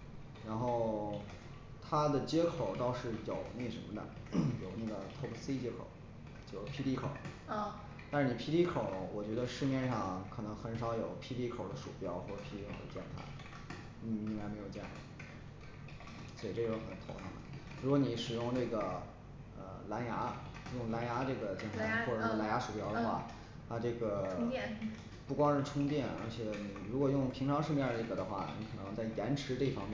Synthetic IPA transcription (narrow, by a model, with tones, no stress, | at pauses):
ɻa˧˥nxo˥˩ʊ | t̪ʰa˥d̪ə˨t͡ɕjɛ˥kʰo˨˩ʊt̪ɑ˥˧ʊʂɻ̩˥˩jo˨˩ʊne˥˩ɪʂə˧˥nmə˧d̪ə̰˨˩jo˨˩ʊne˥˩ɡə˩t̪ʰo˥˧˩ksi˥t͡ɕjɛ˥kʰo̰˨˩˦ʊ | t͡ɕjo˥˩pʰi˥t̪i˥kʰo˨˩˦ʊ˥˩ | t̪a˥˧ʂɻ̩˥˩ni˨˩pʰi˥t̪i˥kʰo˨˩˦ʊwɔ˨˩t͡ɕɥɛ˧˥d̪ə˧ʂɻ̩˥˧mjɛ˥˧nʂɑ˥˩ŋkʰɤ˨˩nɤ˧˥ŋxə˧˥nʂɑ˨˧˥ʊjo˨˩ʊpʰi˥t̪i˥kʰo˨˩ʊd̪ə˦ʂṵ˨˩pjɑ˥ʊxwɔ˥˩ʈ͡ʂə˨˩pʰi˧˥i˥o˧˥˧d̪ə̰˧˩t͡ɕjɛ˥˧npʰa̰˥˩ | n̩˥˩i˥ŋka˥ɪme˧˥ɪjo˨˩ʊt͡ɕjɛ˥˩˥ | swɔ˥˩i˨˩ʈ͡ʂɤ˥˧˩o˥˩xə˨˩nt̪ʰo˧˥ʊt̪ʰɑ̰˥˩ŋə̰˩ | ɻu˧˥kwɔ˧˥ni˨˧˥ʂɻ̩˨˩jʊ˥˧ŋʈ͡ʂɤ˥˩ɡə˩ | ə̰˧la˧˥nja˧˥ | jʊ˥˩ŋla˧˥nja˧˥ʈ͡ʂɤ˥˩ɡə˩t͡ɕjɛ˥˩nʰa˥˩˥xwɔ˥˧˩la˧˥nja˧˥ʂu˨˩pjɑ˥ʊd̪ə˧xwa̰˥˩ | a˥˧ʈ͡ʂɤ˥˩ɡə˩ | pu˥˩kwɑ˥ŋʂɻ̩˥˧ʈ͡ʂʰʊ˥ŋt̪jɛ˥˩nə̰˞˧˥t͡ɕʰjɛ˨˧˥ni˨˩ɻu˧˥kwɔ˨˩jʊ˥˩ŋpʰi˧˥ŋʈ͡ʂʰɑ˧˥ŋʂɻ̩˥˧mjɛ˥˩ə˥˩ɡə˨˩d̪ə˧˦xwa̰˥˩ni˧˥kʰɤ˨˩nɤ˧˥ŋt͡sa˥˩ɪjɛ˧˥nʈ͡ʂʰɻ̩˧˥ʈ͡ʂɤ˥˩fɑ˥ŋmjɛ˥˩